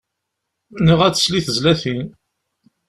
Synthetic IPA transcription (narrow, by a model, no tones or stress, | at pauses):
nəʁæt͡sːə̥sliθəzlæθin